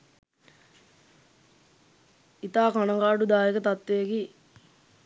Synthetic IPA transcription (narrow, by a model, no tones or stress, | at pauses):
it̪aːkanəŋɡaːɖud̪aːekət̪at̪ːekiː